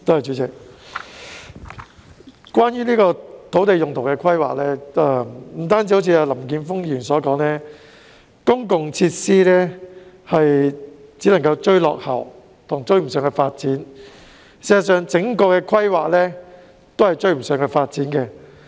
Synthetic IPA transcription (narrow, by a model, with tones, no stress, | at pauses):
t̪o˥hɐ˨jt͡ʃyː˨˥t͡sɪ˨˩k̚ | kwaː˥njyː˥niː˥kɔː˧t̪ʰo˨˥wt̪e˨jʊ˨ŋt̪ʰo˨˩wkɛ˧kʰɐ˥jwa̰ː˨k̚lɛː˥ɐː˧m̩˨˩t̪aː˥nt͡siː˧ho˨˥t͡sʰːaː˧lɐ˨˩mk̬iː˨˧nfʊ˥ŋjyː˨˩nsɔː˨˥kɔː˨˥ŋlɛː˥ | kʊ˥ŋkʊ˨ŋt͡sʰiː˧t̚siː˥lɛː˥ | hɐ˨jt͡siː˨˥lɐ˨˩ŋkɐ˧wt͡ʃɵ˥ɥlɔ̰ː˨k̚hɐ˨˩w | t̪ʰʊ˨˩ŋt͡ʃɵ˥ɥm̩˨˩sœː˨ŋkɛ˧faː˧t̚t͡siː˨˥n | siː˨˩zts̬œː˨˧ŋt͡sɪ˨˥ŋkɔː˧kɛː˧kʰɐ˥jwaː˨˩k̚lɛː˥ | t̪o˥whɐ˨jt͡ʃɵ˧ɥm̩˨˩sœː˨˧ŋkɛ˧faː˧t̚t͡siː˨˥nkɛː˧